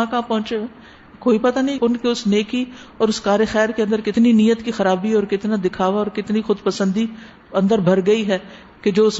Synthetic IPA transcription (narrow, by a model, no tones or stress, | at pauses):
ãkãpɔ̃ːt͡ʃee | koːipɐt̪anɐɦĩʊnkeʊsneːkiɔːɾʊskaːɾexɛːɾkeɐ̃nd̪əɾkɪt̪ninijət̪kixɐɾaːbiɔːɾkɪt̪nad̪ɪkʰaːʋaɔːɾkɪt̪nixʊd̪pəsə̃nd̪i | ɐ̃nd̪əɾbʱɐɾɡɐiɦɛː | ked͡ʒoːʊs